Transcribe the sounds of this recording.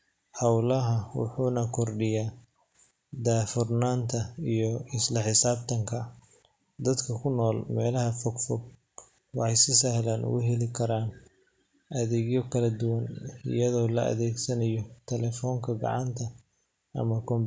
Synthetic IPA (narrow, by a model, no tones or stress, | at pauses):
hɑwlɐɦɐwʊ̰ħuːnɐkʰɔrɖɪjaː | d̪aːfʊrnaːnt̪ʰɐijɔɪslɐħɪsaːbt̪ʰɐŋkʰɐ | d̪ɐd̪kʰɐkʰʊnɔːlmɛːlɐɦɐfɔɡfɔɡ̚ | wɑħɑjsɪsɐhlaːnʔʊ̰ɣʊɦɛlɪkʰɐɾaːn | ʔɐðɛːɣjɔkʰɐlɐd̪ʊwɐnɪ̰jɐðɔːlɐʔɐ̰ðɛːɡsɐnɐjɔt̪ʰɛlɛːfɔːŋkʰɐɡɑ̰ʕɑnt̪ʰɐ | ɐ̰mɐkʰɔmb